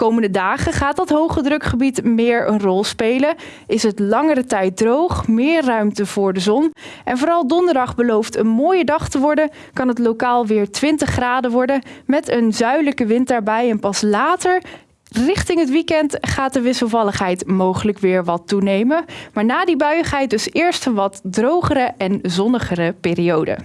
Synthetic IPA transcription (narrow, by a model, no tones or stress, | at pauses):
kowməndədaːχəχaːt̚dɑtɦowχədrɵkχəbitmɪːɹənrɔlˠspejlən | ɪsɦətlɑŋərətɛjt̚drowχmɪːɹrœɥmtəvʊːɹdəzɔnɛnvʊːɾɑlˠdɔndəɹdɑχbəlowftənmoːjədɑχtəʋɔɹdən | kɑnɦətlowkaːlˠʋɪːɹtʋɪntəχːraːdəʋɔɹdəmɛtənzœɥləkəʋɪntdaːɹbɛjɛnpɑslaːtəɹ | rɪχtɪŋɦətʋikɛntχaːt̚dəʋɪsəlˠvɑləχɦɛjtmowχələkʋɪːɹʋɑtːunejmənmaːɹnaːdibœɥəχɦɛjt̚dɵsɪːɹstənʋɑtdrowχəɾəʔɛnzɔnəχərəpɪːriowdə̰